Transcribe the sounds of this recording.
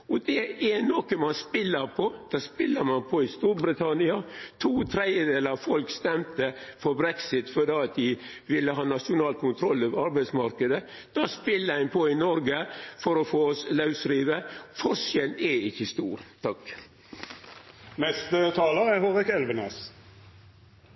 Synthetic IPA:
ɔd̪ɛɛnɔkəmɑnspɪlːəɾpʰɔd̪̥ɑːspɪlːəɾmɑnpʰɔɪst̪uːɾbɾɪt̪ʰɑnɪɑt̪ʰuːt̪ʰɾɛd̪jəd̪eːləɾɑfɔlkst̪ɛmt̪əfɔɾbɾɛksɪt̪fɔɖ̪eːɑt̪̚d̪ɪ | ʋɪlːəɦɑːnɑʂʊnɑːlkʰʊnt̪ʰɾɔlːøːʋəɾɑɾbæɪsmɑɾkəd̪ə | d̪̥ɑːspɪlːəæɪnpʰɔɪnɔɾɡəfɔɾɔfoːslɑʉsɾiːʋəfɔɾʂjɛlɛɪçːəst̪uːɾt̪ʰɑk | nɛst̪ət̪ʰɑːləɛhoːʁɪkɛlʋəneːs

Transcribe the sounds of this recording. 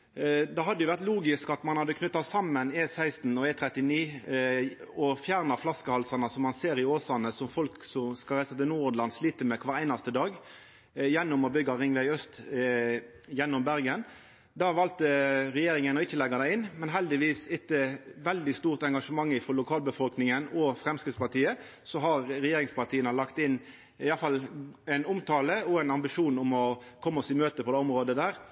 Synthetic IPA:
d̪ɑɦɑd̪ːəjʊʋæʁt̪luːɡɪskɑt̪mɑnhɑd̪ːəkʰnʏt̪ːɑsɑmːəneːsæɪst̪n̩ɔɛːt̪ʰɾɛt̪ɪniː | ɔfjæːʁnɑflɑskəhɑlsɑnəsɔmːɑnseːɾɪoːsɑnəsɔmfɔlksɔmskɑɾæɪsɑt̪ɪlnuːɔd̪lɑnsliːt̪əmɛkʰʋɑːʁæɪnɑst̪əd̪ɑːɡ | jɛnːʊmɔbʏɡːɑʁɪŋʋæɪœst̪ | jɛnːʊmbæʁɡən | d̪ɑʋɑːlt̪əʁɛjeːɾɪŋənɔɪçːəlɛɡːɑd̪æɪɪnmɛnɦɛld̪ɪʋiːsɪt̪ːəʋɛld̪ɪst̪uːʁt̪ɛŋɡɑʂəmɑŋːɪfɔʁlʊkʰɑːlbəfɔlknɪŋənɔfʁɛmskɾɪspɑʁt̪ʰiːə | sɔɦɑʁɾɛjeːɾɪŋspɑʁt̪ʰiːənəlɑkt̪ɪn | ɪjɑfɑlːæɪnʊmt̪ʰɑːləɔæɪnɑmbɪʂuːnʊmɔkʰɔmːɔsɪt̪møːt̪əpʰɔd̪ɛːɔmʁoːd̪əd̪æːʁ

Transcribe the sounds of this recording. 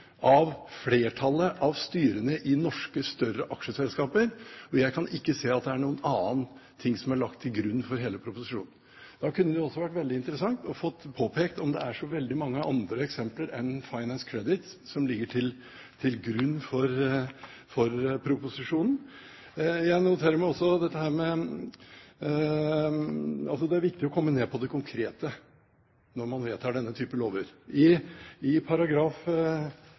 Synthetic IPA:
ʔɑʋfleːʈʰɑlːəʔɑʋst̪yːɾənəʔɪnɔʂkəst̪œɾəʔɑkʂəsɛlskɑːpəɾɔjæɪkʰɑnʔɪkːəseːɑt̪̚d̪ɛæɳuːənɑːnt̪ʰːɪŋːsɔmæɭɑk̚t̪ʰːɪlɡɾʉnːfɔɾɦeːləpʰɾʊpʊsɪʂṵːnn̩ | d̪̥ɑkʉnːəd̪ɪjʊɔsːɔʋæʈʋɛld̪ɪɪnt̪əɾəsɑŋt̪ɔfɔt̪ːpʰoːpʰeːkt̪ɔmd̪ɛ̰æʂɔʋɛld̪ɪmɑŋːəʔɑnd̪ɾəɛksɛmpləɾɛnfɑɪnænskʰɾɛd̪ɪt̪sɔmlɪɡːəʈʰɪl | t̪ʰɪlɡɾʉnːfɔɾ | fɔɾpʰɾʊpʊsɪʂuːnn̩ | jæɪnʊt̪ʰeːɾəɾmæɔsːɔd̪ɛt̪ːəhæːɾmɛ | ɑlsɔd̪ɛæɾʋɪk̚t̪ɪɔkʰɔmːəneːpʰɔd̪ɛkʰʊŋkʰɾeːt̪ə | nɔɾmɑnʋeːt̪ʰɑːɖɛnːət̪ʰyːpəloːʋəɾɪɪpʰɑɾɑɡɾɑːf

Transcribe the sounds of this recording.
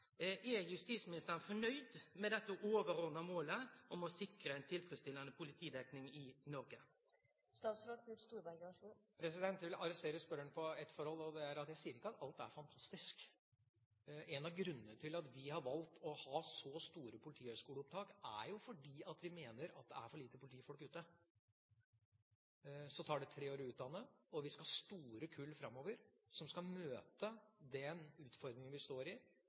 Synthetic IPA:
ʔɛɾjʉst̪iːsmɪnɪst̪əɾənfɔɳœʏd̪mɛd̪ɛt̪ːəʔoːʋəɾɔːnəmoːləʔɔmɔsɪkɾəɛɪnt̪ʰɪlfɾɛst̪ɪlɑnəpʰʊlɪt̪ʰiːd̪ɛknɪŋɪnɔɾɡə | st̪ɑːt̪sɾɑkʰʉpst̪uːɾbæɪɡɑʂupʰɾɛsɪd̪ɛnt̪ʋɪlɑɾɛst̪eːɾəspœɾəɳpʰɔɛt̪fɔɾhɔlːɔd̪ɛæɾɑt̪jæɪsiːəɾɪkːəɑt̪ɑlt̪æ̰ɾfɑnt̪ʰɑst̪ɪsk | ʔɛnɑʋɡɾʉnːənət̪ʰɪlɑt̪ʋɪhɑɾʋɑlt̪ɔhɑːsɔst̪uːɾəpʰʊlɪt̪ʰiːhœskuːləɔp̚t̪ʰɑːkæ̰ɾjʊfɔɖiːɑt̪ʋɪmeːnəɾɑt̪̚d̪ɛ̰æ̰ɾfɔɭiːt̪əpʰʊlɪt̪iːfɔlkʉːt̪ːə | sɔt̪ʰɑːɖɛt̪ʰɾeːoːɾəʉːt̪̚d̪ɑnːəɔʋɪskɑhɑst̪uːɾəkʰʉlːfɾɑmːoːʋəɾsɔmskɑmøːt̪əd̪ɛnʉːt̪fɔɾd̪ɾɪŋənʋɪst̪oːɾɪ

